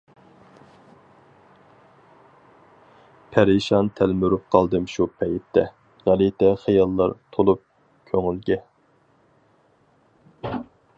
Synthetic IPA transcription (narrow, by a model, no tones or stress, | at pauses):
pʰæɾiʃɑnt̪ʰælmyɾup̚qʰɑlˠd̪ɨmʃupʰɛjɪp̚t̪ʰːɛ | ʁælit̪ʰɛχijɑlˠːɑɾt̪ʰolˠup̚ | kʲʰøŋylɡʲɛ